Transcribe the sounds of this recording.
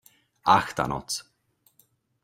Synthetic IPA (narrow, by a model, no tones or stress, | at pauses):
axt̪a̰nɔ̰t͡s